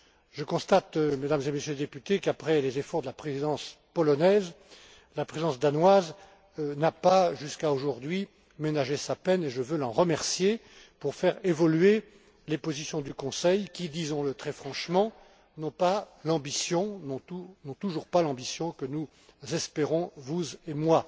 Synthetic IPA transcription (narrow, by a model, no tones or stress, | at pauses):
ʒəkɔ̃st̪at̪med̪amzemesjøled̪epyt̪ekapχɛlezefɔʁd̪əlapχezid̪ɑ̃s | pɔlɔnɛz | lapχezid̪ɑ̃s̬d̪anwaz | napaʒyskaoʒuʁd̪ɥi | menaʒesapɛneʒəvølɑ̃ʁəmɛʁsje | puʁfɛʁevɔlɥe | lepozisjɔ̃d̪ykɔ̃sɛjkʲid̪izɔ̃lət̪χɛfχɑ̃ʃmɑ̃ | nɔ̃pa | lɑ̃bisjɔ̃nɔ̃t̪unɔ̃t̪uʒuʁpalɑ̃bisjɔ̃kənu | zɛspeʁɔ̃vuzemwa